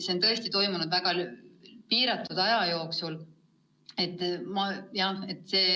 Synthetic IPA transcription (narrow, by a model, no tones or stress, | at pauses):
seont̪ɤ̞e̞st̪it̪o̞jmunud̪væɡ̥ɑlpiːɾɑt̪ːˑud̪ɑjɑjo̞ːksul | e̞t̪ːˑmɑjɑhe̞t̪ːˑse̞ː